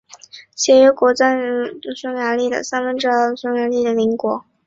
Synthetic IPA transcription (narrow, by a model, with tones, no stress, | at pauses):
t͡ɕjɛ˧˥ɥɛ˧˥kwɔ˧˥t͡sa˥˩n˧˥˧sʊ˥ŋja˧˥li˥˩d̪ə̰˩sa˥nfə˧˥nʈ͡ʂɤ˥˧sʊ˥ŋja˧˥li˥˩d̪ə˩li˧˥ŋkwɔ˨˩˦